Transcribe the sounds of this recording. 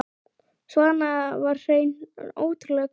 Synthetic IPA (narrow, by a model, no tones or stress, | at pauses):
svɔðanːavaɾ̥sejno̰ːwt̪ʏɾlɛk